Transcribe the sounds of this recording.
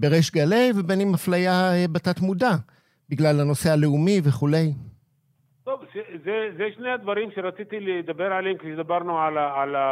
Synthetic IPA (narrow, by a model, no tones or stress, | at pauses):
beʁeʃɡale̞jvebenimaflajaebat̪at̪muda | biɡlalano̞se̞ale̞umiveχule̞j | t̪ovʃezezeʃnead̪vaɾimʃeɾat͡sit̪iled̪abeɾʕalemkeʃed̪abaʁnuʕalaala